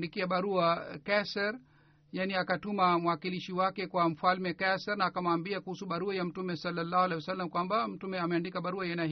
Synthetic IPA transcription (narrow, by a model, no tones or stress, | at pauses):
dikiaɓaɾuakɛsɛɾ | janiakatumamwakiliʃiwakɛkwam̩falmɛkɛsɛɾnaːkamaːmbiakuhusuɓaɾuajam̩tumɛsalːalːaːhualɛhiwasalːamkwambam̩tumɛamɛandikaɓaɾuajɛna